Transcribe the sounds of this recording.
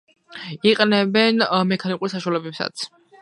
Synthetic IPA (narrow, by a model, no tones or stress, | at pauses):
iqʼnɛbɛnmɛkʰanikʼuɾsaʃualɛbɛpsa̰t̪sʰ